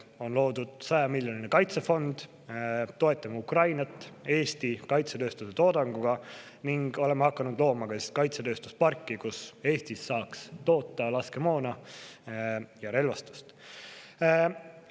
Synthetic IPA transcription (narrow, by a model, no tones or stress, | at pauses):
o̞nlo̞ːd̪̥ud̪̥sɑjɑmilʲjo̞ninekɑjt̪sefo̞nd̪̥ | t̪ːo̞e̞t̪ːˑɑmukrɑjnɑt̪ːˑe̞ːst̪ikɑjt̪set̪ø̞ːst̪uset̪o̞ːd̪ɑŋɡuɡ̥ɑ | niŋɡ̥o̞le̞meɑkːˑɑnud̪̥lo̞ːmɑɡ̥ɑsest̪kɑjt̪se̞t̪ø̞ːst̪uspɑrkːikuse̞ːst̪isːɑːkst̪o̞ːt̪ːˑɑlɑske̞mo̞ːnɑ | jɑɾe̞lvɑst̪u̥st̪